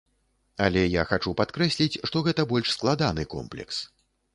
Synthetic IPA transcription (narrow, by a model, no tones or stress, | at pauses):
alʲɛjaxat͡ʂupat̪kɾɛsʲlʲit͡sʲʂt̪ɔɣɛt̪ɐbɔlʲʂsklˠad̪anɨkɔ̰mplʲɛ̰ks